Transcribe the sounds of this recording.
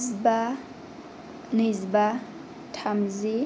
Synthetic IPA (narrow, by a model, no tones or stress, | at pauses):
zba | nizba | tʰamzi